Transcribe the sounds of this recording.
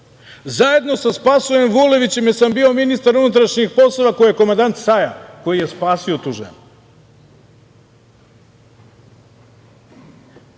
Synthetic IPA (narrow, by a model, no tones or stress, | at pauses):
zaje̞d̪no̞saspasuje̞mʋule̞ʋit͡ɕe̞mjesambiːo̞minist̪aɾunut̪ɾaʃɲixpo̞slˠoʋakojije̞ko̞mand̪ant̪sajako̞jije̞spaːsiot̪uːʒḛnu